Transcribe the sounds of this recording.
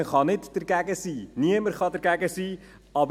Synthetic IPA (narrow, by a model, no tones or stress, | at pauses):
əχɑnɪtd̥əɾɡæɡəsiːniəməɾχɑdəɾɡæɡəsiː | ɑb